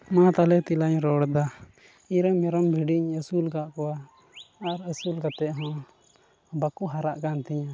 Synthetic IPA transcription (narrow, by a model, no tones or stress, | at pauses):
mãt̪alɛt̪ilaɲɾɔɽd̪a | iɾamɛɾɔmbʱiɖiɲəsulkaʔkɔwa | aɾəsulkat̪ɛʔɦɔ̃ | bakuɦaɾaʔkant̪iɲa